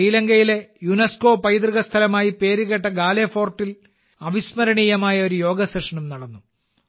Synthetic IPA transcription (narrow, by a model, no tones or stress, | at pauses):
iːlɐŋɡɐjile̞junɐsko̞ːpɐjd̪riɣɐst̪ʰɐlɐmaːjipe̞ːɾuɣeʈːɐɡaːleːfo̞ːrʈːil | ɐʋismɐɾɐɳijɐmaːjɐo̞ɾujo̞ːɡɐseʂɐɳɐmnɐɽɐnːu